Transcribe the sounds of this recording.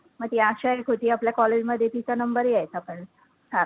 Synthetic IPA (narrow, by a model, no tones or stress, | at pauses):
məɡ̚t̪iaɕaɦekʰoʈiːapljakɔled͡ʑməd̪ʱːjet̪it͡ɕanəmbəɾjajt̪apəɳ | saɾ